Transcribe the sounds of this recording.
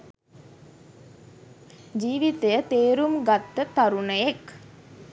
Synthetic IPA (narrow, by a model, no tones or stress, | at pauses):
d͡ʒiːʋit̪əjət̪eːɾumɡat̪ːət̪aɾunəjek